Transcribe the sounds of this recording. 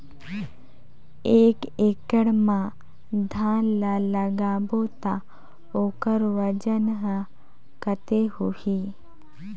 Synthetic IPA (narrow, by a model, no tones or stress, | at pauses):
eːkeːkəɽmã | d̪ʱãːnlaləɡaːbot̪a | oːkəɾʋəd͡ʒənɦə | kət̪ehuhi